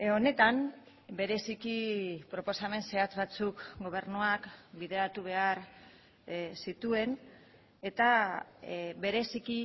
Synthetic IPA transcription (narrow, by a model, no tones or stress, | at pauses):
o̞ne̞t̪am | be̞ɾe̞sikipɾo̞po̞same̞nse̞at͡sβat͡sukɡo̞β̞e̞ɾnuakbiðe̞at̪uβ̞e̞aɾ | sit̪ue̞n | e̞t̪a | βe̞ɾe̞siki